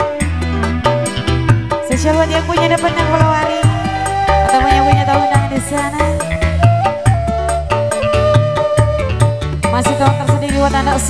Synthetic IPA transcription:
səsaluat̪̚jaŋpuɲadəpanjaŋpəlawaɾi | at̪amaɲapuɲat̪aundaŋadisana | masikalat̪ərsədidiwat̪andaʔs

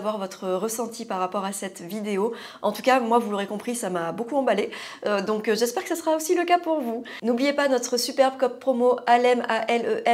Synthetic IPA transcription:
vwaʁvɔt̪χəʁəsɑ̃t̪ʰipaʁːapɔʁasɛt̪vid̪eo | ʔɑ̃t̪ukamwavuloʁekɔ̃pχisamabokuɑ̃baleød̪ɔ̃kʒɛspɛʁkə̥sasəʁaosiləkapuʁvu | nublijepanɔt̪χəsypɛʁbkɔp̚pχomoʔalɛmaʔɛløʔɛ

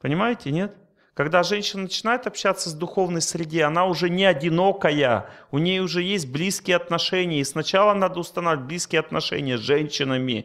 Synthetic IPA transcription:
pənʲɪmajɪtʲɪnʲe̞t̪ | kɐɡd̪aʐɛnʲɕːɪnənət͡ɕɪnajɪt̪ɐpɕːat̪səzd̪ʊxo̞vnəjsɾʲɪdʲeɐnaʊʐɛnʲɪɐdʲɪno̞kəjə̰ʊnʲejʊʐɛjesʲt̚ʲblʲiskʲɪjəɐt̪nɐʂɛnʲɪjəisnɐt͡ɕalˠən̪ad̪əʊst̪ɐnat̚ʲblʲiskʲɪjəɐt̪nɐʂɛ̰nʲɪjəʐɛnʲɕːɪnəmʲɪ

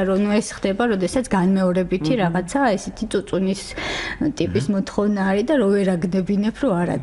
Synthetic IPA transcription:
ɾɔnuɛsχd̪ɛbaɾɔd̪ɛsat̪sʰɡanmɛɔɾɛbit̪ʰiɾaʁat̪sʰaɛsɛt̪ʰit̪sʼut̪sʼunist̪ʼipʼismɔt̪ʰχɔvnaːɾid̪aɾɔvɛɾaɡnɛbinɛpʰɾɔaɾa̰

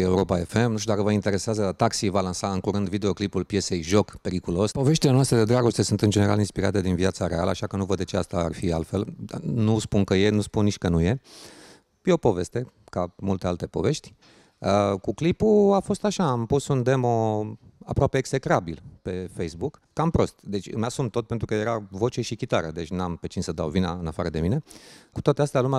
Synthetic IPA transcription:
e̞uɾopae̞fe̞mnuʃt̪ud̪akəvəint̪e̞ɾe̞seazət̪aksivalansaɨŋkuɾɨnd̪vid̪e̞o̞klipulpje̞se̞jʒo̞kpe̞ɾikulo̞spo̞ve̞ʃt̪ilenoast̪ɾed̪e̞d̪ɾaɡo̞st̪e̞sunt̪ɨnd͡ʒeneɾa̰linspiɾa̰t̪e̞d̪invjat̪saɾe̞a̰lə̰aʃakənuvəd̪d̪e̞t͡ʃe̞a̰st̪aa̰rfia̰lfe̞la̰nuspunkəje̞nuspunniʃʲkənuje̞ | jeopo̞ve̞st̪e̞kamult̪ealt̪e̞po̞̰ve̞ʃt̪ʲ | əkuklipuafo̞st̪aʃaːmpusund̪e̞mo̞a̰pɾoape̞ːkse̞kɾabilpe̞fejsbukːampɾo̞st̪d̪e̞t͡ʃʲɨ̰masumt̪o̞t̪̚pent̪ɾukəje̞ɾavo̞t͡ʃe̞ʃikʲit̪aɾəd̪e̞t͡ʃʲnampe̞t͡ʃinsəd̪a̰wvina̰ɨnafaɾəd̪e̞mine̞kut̪oat̪east̪ealumʲa

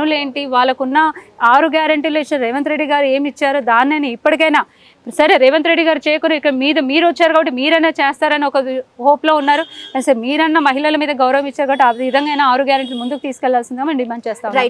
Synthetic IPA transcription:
nule̞ːɳʈiʋaːlːɐkunːɐaːɾuɡjaːɾɐɳʈiloit͡ʃːɐɾɛːʋɐnt̪ɾeɖːiɡaːɾue̞ːmit͡ʃːaːɾud̪aːnːɐniipːɐʈikɐjnaː | sɐɾeɾeːʋɐnt̪ɾeɖːiɡaːɾut͡ʃɛːjɐkunɐikːɐɽmiːd̪ɐmiːɾʋɐt͡ʃːaːɾukaːbɐʈːimiːɾɐjnaːt͡ʃeːst̪aːɾɐniɔkɐɦoːplo̞ːunːaːɾuɐnsɐmiːɾɐnːɐmɐɦilɐlɐmiːd̪ɐɡɐwɾɐʋɐmit͡ʃːaːɾkaːbɐʈːiaid̪ɐŋɡɐjnaːaːɾuɡjaːɾɐɳʈilumund̪ukut̪iːsukɛlːaːlsind̪iɡaːmɐnɖimaːɳɖ̚t͡ʃɛːst̪aːu

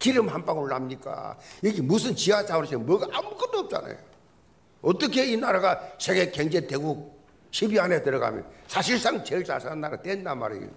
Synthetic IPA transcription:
kiɾɯmhampaɡoɭːamɲik͈a̰jiɡimusʰɯnt͡ɕiad͡ʑaunɕ̬ʰimʌɡaʔamuɡʌt͈oːp̚t͡ɕ͈a̰na̰jo | ʌt͈ʌkʰe̞inaɾaɡasʰeɡe̞keŋd͡ʑeteɡuk̚ | ɕʰibjanetɯɾʌɡa̰mjʌ̰nsʰaɕ̬ʰiɭs͈aŋt͡ɕeɭsʰa̰sanːaɾatwendama̰ɾḭo̰

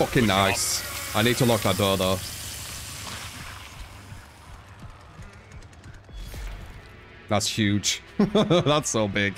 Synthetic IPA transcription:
ʌkɪ̃ŋnaɪsaɪniːd̚tʰəlɔk̚maɪbɔðə | ðætshjʉd̥ʒ̥ | ðætsoʊbɪɡ̥

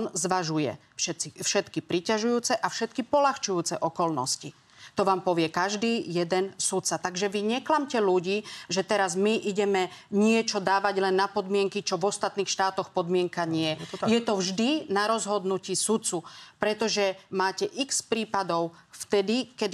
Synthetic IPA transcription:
nzʋaʒujɛ̰ | fʃɛt̪t͡sifʃɛt̪kipɾicaʒujuːt͡sɛʔafʃɛt̪kipɔlaxt͡ʃujuːt͡sɛʔɔkɔlnɔ̰sci | t̪ɔʋaːmpɔʋɪɛkaʒd̪iːjɛd̪ɛnsut̪t͡sat̪aɡʒɛʋiɲɛklamcɛluɟiːʒɛt̪ɛɾazmiʔiɟɛmɛɲɪɛt͡ʃɔd̪aːʋaɟlɛnːapɔd̪mɪɛŋkit͡ʃɔʋɔst̪at̪niːxʃt̪aːt̪ɔxpɔd̪mɪɛŋkaɲɪɛjɛt̪ɔvʒd̪inaɾɔzɦɔd̪nucisut̪t͡supɾɛt̪ɔʒɛmaːcɛʔikspɾiːpad̪ɔʊft̪ɛd̪ikɛd̪

